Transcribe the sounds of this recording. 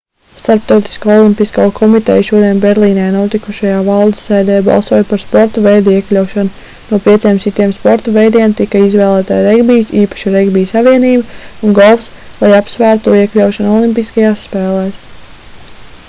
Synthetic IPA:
st̪aɾp̚t̪awt̪i̥skaːɔlˠimpiskaːkʰɔmit̪ɛ̰jʃuɔd̪iɛnbɛɾlˠiːnɛːnuɔt̪ikuʃajaːvɑlˠd̪sːɛːd̪ɛːjbɑ̰lˠsuɔjpaɾspɔɾt̪ɐvɛjd̪uiɛklʲawʃanu | nuɔpiɛt̪siɛmsit̪iɛmspɔɾt̪ɐvɛjd̪iɛmt̪ikɐizʋɛːlˠæːt̪a̰jɾɛɡbiːsiːpɐ̥ʃiɾɛɡbiːsaʋiɛniːbaunɡɔlˠfs | lˠajapsʋæːɾt̪uiɛklʲawʃanɔlˠimpiskajaːsːpɛːlˠɛːs

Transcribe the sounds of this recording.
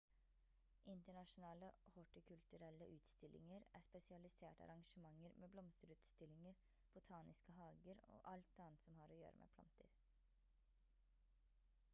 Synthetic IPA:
ʔɪnt̪əɳɑʂʊnɑːləhɔʈəkʰʉlt̪ʉɾɛləʔʉːt̪st̪ɪlʔɪ̰ŋəɾæ̰ːspɛsɪɑlɪseːʈɑ̰ɾɑŋʃəmɑŋːəɾmʔeːblɔmst̪əɾʉːt̪st̪ɪlːɪŋəɾ | b̥ʊt̪ʰɑːnɪskəɦɑːɡəɾo̰ːʔɑlt̪̚ɑːnt̪sɔmhɑːɾoːjø̰ːɾə̰mʔḛːpʰlɑ̰nt̪ʰə̰ɾ

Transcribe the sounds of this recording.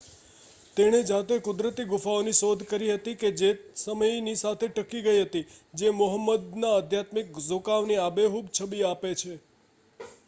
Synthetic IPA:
t̪eɽ̃ed͡ʒãt̪ekʊd̪ɾət̪iɡʊfaoniʃod̪ʱkəɾiɦət̪iked͡ʒesəməjnisat̪ʰeʈəkiɡəiɦət̪id͡ʒemʊɦəmːəd̪naəd̪ʱjat̪mikzokaʋniabeɦubt͡ʃʰəbiapet͡ʃʰe

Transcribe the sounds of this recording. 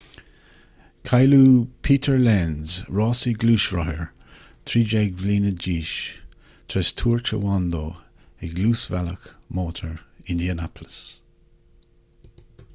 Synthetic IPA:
kʰajluːpʰiːt̪ʰəɹlɛnzɹɑːsiɡluːʃɹɔhəɹ | t̪ʰɾiːd͡ʒɛɡvliːnəd͡ʒiːʃ | t̪ʰɾɛstʰuːɹt͡ʃə̰wand̪oː | ɪɡluːsvɛləkmoːtʰəɹɪnd̪iənapʰləs

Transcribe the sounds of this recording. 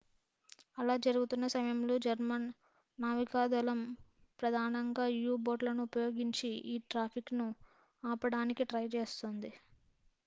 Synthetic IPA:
ɐlaːd͡ʒɐɾuɡut̪unːɐsɐmɐjɐmlo̞ːd͡ʒɐɾmɐnː | aːʋikaːd̪ɐlɐm | pɾɐd̪ʱaːnɐŋɡaːjuːboːɖlɐnuːpɐjo̞ːɡiɲt͡ʃiiːʈɾaːpʰiknu | aːpɐɽaːnikiʈɾɐjt͡ʃeːst̪oːnd̪i

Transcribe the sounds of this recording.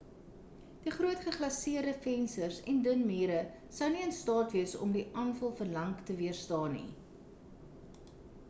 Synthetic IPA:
d̥iχruətχəχlɐsiərdəfɛnsərsɛndənmiːɾə | sɐwniənstɑːtviəsɔ̰mdiʔɑːnfɐlˠfərlɐŋktəviərstɑːnḭ

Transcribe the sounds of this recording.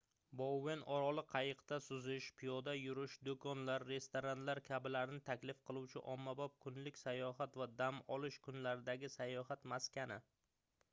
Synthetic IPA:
bowːenʔɒɾɒlˠɪqʰɑjɨqt̪asʊzɪʃpʰijɒd̪ajʊɾɪʃd̪okʰɒnlaɾːe̞st̪oɾant̪laɾkʲʰabɪlaɾɪnɪt̪ʰakʲlɪfqʰɨlˠuwt͡ʃʰɪʔɒmːabɒp̚kʰʊnlɪkʲsajɒɦat̪vad̪amɒlˠɪʃkʰʊnlaɾɪd̪aɡʲɪsajɒɦat̪maskʲanɪ

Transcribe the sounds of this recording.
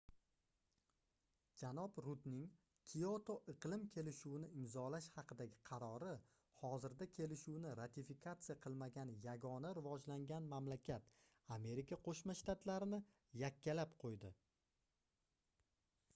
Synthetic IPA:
d͡ʒanɒbɾʊt̪nɪŋ | kʲʰijot̪ʰoʔɨqlˠɪmkʲʰe̞lɪʃuwɪnɪɪmzɒlaʃhɑqʰɨd̪aɡʲɪqʰɑɾɒɾɪ | hɒzɪɾd̪akʲʰe̞lɪʃuwnɪɾat̪ʰifikʰat̪sɨjaqʰɨlˠmaɡʲanjaɡɒnaɾɪvɒd͡ʒlaŋɡʲanmamlakʲʰat̪ | ame̞ɾikʰaqʰoʃmaʃt̪at̪laɾɪnɪ | jakʲːalapqʰojd̪ɪ

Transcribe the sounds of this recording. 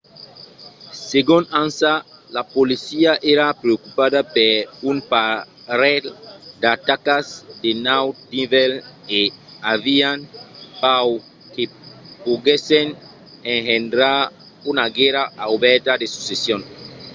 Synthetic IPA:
seɡunansalapolisiaʔeɾapɾeokupaðapeɾumpa | ɾeld̪at̪akazd̪enawd̪iveleaβianpaw | kepoɣesen | eŋhend̪ɾaɾ | unaɡeɾaawβɛɾt̪ad̪esu̥sesjon

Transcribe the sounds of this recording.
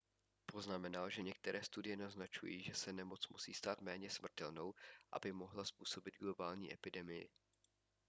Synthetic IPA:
po̞znamɛnalʒɛɲɛk̚t̪ɛɾʔɛːst̪udɪjɛnaznat͡ʃṵjiːʒɛsɛnɛmo̞t͡smusḭːst̪aːt̪mɛːɲɛsm̩r̩t̪ɛlno̞wʔa̰bɪmo̞ɦlaspuːso̞bɪd̪̚ɡlo̞baːlɲḭːʔɛpɪdɛmɪjɪ̰

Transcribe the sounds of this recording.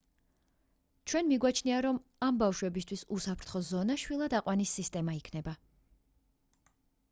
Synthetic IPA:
t͡ʃʰwɛnmiɡwat͡ʃʰniaɾɔmambafʃwɛbist̪ʰwisusapʰɾt̪ʰχɔzɔnaʃwilˠad̪aqʼwanisːist̪ʼɛmaikʰnɛba

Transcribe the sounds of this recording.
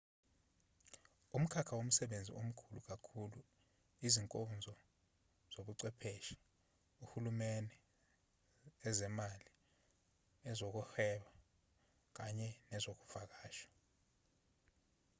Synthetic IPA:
um̩kʰakʰawom̩sɛɓend͡zʱḭʔom̩kʰuluk̬akʰulu | iziŋkʼɔnd͡zʱɔ | z̥oɓuǀɛpʰeʃi̥ | uhulumɛnɛ | ɛzɛmali | ɛzok̬uhɛɓa | k̬aɲɛnɛzok̬u̥fak̬aːʃḁ

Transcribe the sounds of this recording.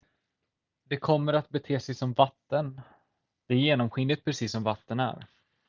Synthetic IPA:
d̪ɛkʰɔmːəɾat̪̚bɛt̪ʰeːsɛjsɔmvat̪ːən | d̪̥ɛæɾjeːnɔmɧɪnd̪ət̪̚pʰɾɛsiːsːɔmvat̪ːənæ̰ɾ

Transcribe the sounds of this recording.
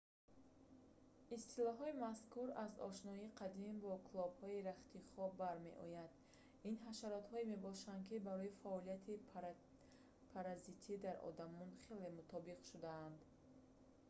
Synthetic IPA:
ist̪ilɔɦɔimaskuɾazɔ̰ʃnɔiqʰad̪imbɔkʰulˠɔbhɔiɾaχt̪iχɔbaɾme̞̰ʔɔ̰jand̪ | inɦaʃaɾɔt̪hɔime̞bɔʃand̪kibaɾɔifaɔlijat̪ʰi | pʰaɾazit̪ʰid̪aɾɔ̰d̪amɔnχe̞le̞mut̪ʰɔbiqʃud̪aːnd̪

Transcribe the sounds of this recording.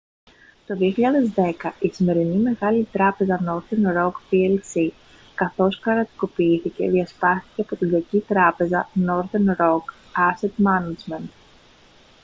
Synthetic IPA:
t̪o̞ðieçiʎaðezd̪ekɐʔisime̞ɾinime̞ɣɐlit̪ɾɐpe̞zɐnoɾðenɾokpielsi | kɐθo̞skɐɾɐt̪i̥kopiiθice̞̰ðiɐspast̪i̥cepot̪iɡ̪ɐcit̪ɾɐpe̞zɐnoɾðenɾok | aset̪manɐd͡ʒment̪

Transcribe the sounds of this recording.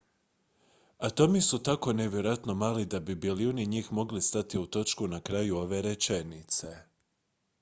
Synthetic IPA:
at̪o̞misut̪ako̞ne̞ʋje̞ɾojat̪no̞maːlid̪abibiliuniɲiːxmo̞ɡlist̪at̪iut̪o̞t͡ʃkunakɾajuo̞ʋe̞ɾet͡ʃe̞nit̪se̞

